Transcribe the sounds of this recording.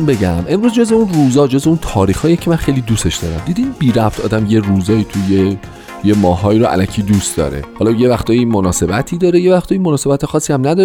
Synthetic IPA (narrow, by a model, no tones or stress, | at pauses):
be̞ɟæmʔe̞mɾuːzd͡ʒozbeunruːzɒːd͡ʒozbeunt̪ʰɒːɾiːxhɒːjecʰe̞mænχejlid̪use̞ʃd̪ɒ̰ːɾæ̰md̪iːd̪inbiːɾæft̪ɒːd̪æmjeruzɒːiːt̪ʰuje | jemɒːɦɒːiːɾoʔæ̰læcʰiːd̪ust̪d̪ɒ̰ːɾe̞̰hɒlɒje̞væxt̪ʰɒːjimonɒːse̞bæt̪ʰiːd̪ɒːɾeje̞væxt̪ɒːjimonɒːse̞bæt̪ʰexɒːsːiæmnæd̪ɒ